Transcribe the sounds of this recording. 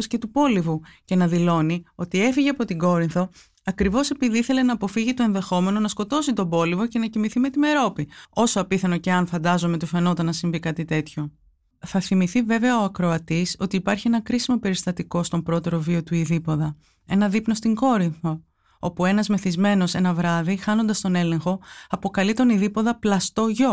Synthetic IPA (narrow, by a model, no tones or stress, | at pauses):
sce̞t̪upo̞livuce̞nɐðilo̞nio̞t̪ie̞fiʝeɐpo̞t̪iŋɡo̞ɾinθo̞ | ɐkɾivo̞se̞piðiiθe̞le̞nɐːpo̞fiʝit̪o̞e̞nðe̞xo̞me̞no̞nɐsko̞t̪o̞sit̪o̞bo̞livo̞ce̞nɐcimiθime̞t̪ime̞ɾo̞pio̞soɐpiθɐno̞ce̞ɐnfɐnd̪ɐzome̞t̪ufeno̞t̪ɐnɐsiɱvikɐt̪it̪e̞t̪ço̞ | θɐθimiθive̞veɐoɐkɾo̞ɐt̪iso̞t̪iːpɐɾçie̞nɐkɾisimo̞pe̞ɾist̪ɐt̪iko̞st̪o̞mpɾo̞t̪e̞ɾo̞vio̞t̪uiðipo̞ðɐ | e̞nɐðipno̞st̪iŋɡo̞ɾifo̞ | o̞pue̞nɐzme̞θizme̞no̞se̞nɐvɾɐðixɐno̞nd̪ɐst̪o̞ne̞le̞ŋxo̞ɐpo̞kɐlit̪o̞niðipo̞ðɐplɐst̪o̞ʝo̞